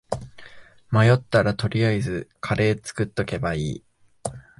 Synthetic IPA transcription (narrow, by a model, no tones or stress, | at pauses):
majo̞t̪ːaɾat̪o̞ɾʲiaizɨkʰaɾe̞ːt͡sɨ̥kɯ̟t̪ːo̞ke̞baiː